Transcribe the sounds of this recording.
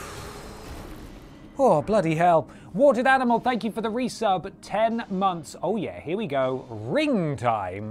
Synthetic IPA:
ɔblʌɾiɦɛlˠ | wɔˑɾɪɾanəməlˠθæ̃ŋkjəfəðəɹisʌbtʰɛ̃nmʌ̃nθsoʊjæ̰hɪəwiɡoʊɹɪ̃ŋtʰã̰ɪ̃m

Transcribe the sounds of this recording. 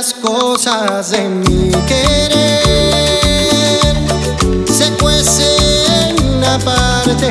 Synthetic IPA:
skosazðemikeɾe | ɾ | sekwesennapa | ɾt̪e

